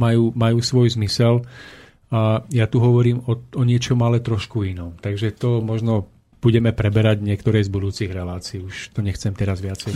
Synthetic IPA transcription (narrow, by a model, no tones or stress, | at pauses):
majuːmajuːsʋɔjzmisɛl | ajat̪uɦɔʋɔɾiːmɔɔɲɪɛt͡ʃɔmalɛt̪ɾɔʃkuinɔmt̪aɡʒɛt̪ɔmɔʒnɔ | b̥uɟɛmɛpɾɛbɛɾaɟɲɪɛkt̪ɔɾɛjzbud̪uːt͡siɣɾɛlaːt͡siiuʃt̪ɔɲɛxt͡sɛmt̪ɛɾazʋɪat͡sɛj